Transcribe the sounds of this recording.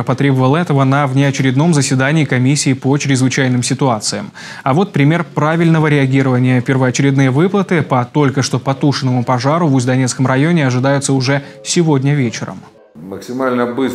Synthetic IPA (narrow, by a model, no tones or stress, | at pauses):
pɐt̪ɾʲebəvəlˠɛt̪əvənɐvnʲɪɐt͡ɕɪɾʲɪd̪no̞mzəsʲvʲɪd̪anʲɪːkɐmʲisʲːɪːpot͡ɕɾʲɪzvɨt͡ɕæjnɨmsʲɪt̪ʊat̪sɨjə̰m | ɐvo̞t̪̚pɾʲɪmʲe̞rpɾavʲɪlʲnəvəɾʲɪɐɡʲiɾəvənʲɪjəpʲɪrvəɐt͡ɕɪɾʲɪd̪nɨjəvɨplˠət̪ɨpɐt̪o̞lʲkəʂt̪o̞pɐt̪uʂɨnːəmʊpɐʐaɾʊvʊzʲd̪ɐnʲet̪skəmrɐjo̞nʲɪɐʐɨd̪ajʊt̪səʊʐɛ | sʲɪvo̞dʲnʲəvʲet͡ɕɪɾə̰m | məksʲɪmalʲnəbɨ